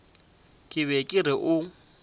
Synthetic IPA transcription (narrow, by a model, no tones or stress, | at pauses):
kʼɪβɛkʼɪrɪʔʊ